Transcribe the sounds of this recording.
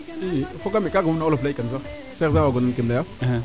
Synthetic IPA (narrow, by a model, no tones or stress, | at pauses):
ifoɡamekaɡanaoloflaikans̬a | sasawaɡonankemlaja